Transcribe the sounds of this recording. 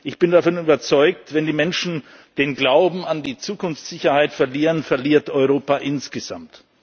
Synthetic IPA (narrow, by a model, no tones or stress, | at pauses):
ʔɪçb̥ɪndafɔnyːbɐt͡sɔʏk̚tvɛndiːmɛnʃn̩ | d̥eːnɡlaʊbm̩andiːt͡suːkʰʊnftz̥ɪçɐhaɪtfɛɐliːʁənfɛɐliːɐtʔɔʏʁ̞oːpaʔɪnsɡ̥əz̥a̰mt